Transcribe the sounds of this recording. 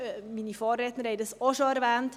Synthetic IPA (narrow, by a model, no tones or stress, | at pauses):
miːnifɑːrɛtnəɾhɛjdəsɔʃoɛɾvɛːnt